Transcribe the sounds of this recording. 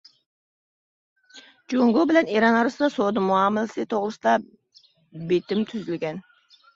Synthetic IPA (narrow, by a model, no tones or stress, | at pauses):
d͡ʒoŋɡobɪlɛneɾɑnɑɾsɨd̪ɑsod̪ɨmuɑmɨlsɨt̪ʰoʁlˠɨsɨd̪ɑ | bet̪ɪmt̪ʰyzylɡʲɛn